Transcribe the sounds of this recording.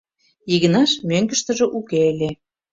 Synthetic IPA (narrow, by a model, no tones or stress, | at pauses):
jiɣə̆nɑʃmøŋɡə̆ʃt̪ə̆ʒĕʔukeelʲe